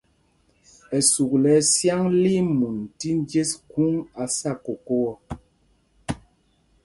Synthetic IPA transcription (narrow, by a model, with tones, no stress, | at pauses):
ɛ˨su˨k̚lɛ˨˦sja˦ŋli˦mu˨nti˦n˦d͡ʒe˦sku˦ŋa˨sa˦˨ko˨ko˦wɔ˦